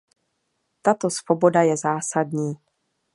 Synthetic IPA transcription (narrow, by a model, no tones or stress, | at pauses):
t̪at̪o̞svobo̞dajɛzaːsadɲiː